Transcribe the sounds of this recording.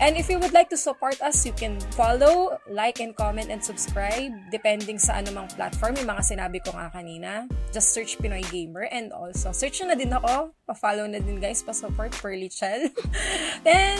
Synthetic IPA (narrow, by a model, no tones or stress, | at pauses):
ʔɛnd̪ɪfjuwʊd̪lajk̚t̪ʊsɐpoɹt̪ɐsjʊkɛ̃nfalowlajkɛ̃nd̪̚komɛ̃nt̪ɛnd̪sʊbskɹajb̚d̪ɛpɛnd̪ɪŋsɐʔɐnomɐŋpla̰t̪fɔɹmjɪmɐŋasɪnaːbɪkoŋa̰kɐniːnɐd͡ʒɐst̪sɛɹt͡ʃpɪnojɡejmɛɹʔɛ̃nd̪o̰lsosɛɹt͡ʃnɐd̪ɪnɐko̞pɐfaːlownɐd̪ɪnɡajspɐsɐpoɹt̪̚pɛɹlit͡ʃɛl | ɛ